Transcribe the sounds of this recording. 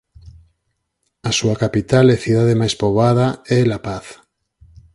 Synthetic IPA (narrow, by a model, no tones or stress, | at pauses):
asuakapit̪alɛθiðaðemajspoβað̞aɛlapaθ